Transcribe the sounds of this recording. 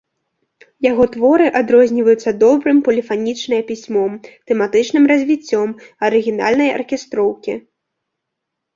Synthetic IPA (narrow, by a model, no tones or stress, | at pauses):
jaɣɔt̪vɔɾɨʔad̪ɾɔzʲnʲivɐjut̪sːɐd̪ɔbɾɨmpɐlʲifanʲit͡ʂnɐjɛpʲisʲmɔmt̪ɛmat̪ɨt͡ʂnɨmrɐzʲvʲit͡sʲːɔmɐɾɨɣʲina̰lʲnɐjɐ̰rkʲɛst̪ɾɔwkʲḭ